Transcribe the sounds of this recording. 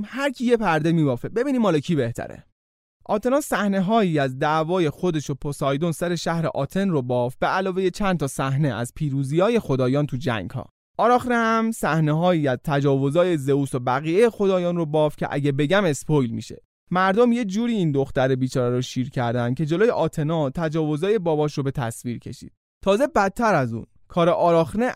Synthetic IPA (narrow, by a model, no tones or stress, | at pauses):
hæɾcʰije̞pʰæɾd̪e̞miːbɒːfebe̞biːniːmɒːlecʰiːbe̞ht̪ʰæ̰ɾḛ | ʔɒːt̪ʰe̞nɒːsæhne̞ɦɒːjiːæzd̪ævɒːje̞xo̞d̪e̞ʃopʰosɒːjd̪onsæɾe̞ʃæhɾe̞̰ʔɒːt̪ʰe̞nrobɒːfb̥eælɒːve̞jet͡ʃʰænt̪ʰɒsæhneʔæ̰zpʰiːɾuːziːɒːje̞xo̞d̪ɒːjɒːnt̪ʰud͡ʒæ̰ŋɡ̥hɒ̰ː | ʔɒːɾɒːxɾehæmsæhne̞ɦɒːiːæzt̪ʰæd͡ʒɒːvo̞zɒːje̞ze̞uːsobæɣiːjejexo̞d̪ɒːjɒːnrobɒːfcʰe̞̰ʔæ̰ɟebe̞ɟæme̞spʰojlmḭːʃe̞̰ | mæɾd̪o̞mje̞d͡ʒuːɾiːiːnd̪o̞xt̪æɾebiːt͡ʃʰɒːɾeɾɔʃiːɾcʰæɾd̪ænd̪̚cʰe̞d͡ʒe̞loːjeʔɒːt̪ʰe̞nɒːt̪ʰæd͡ʒɒːvo̞zɒːje̞bɒːbɒːʃɾobe̞t̪ʰæ̰sviːɾcʰe̞̰ʃḭːd̪̥̚ | t̪ʰɒːze̞bæt̪ʰːæɾæzṵn | kʰɒːɾeʔɒːɾɒːxne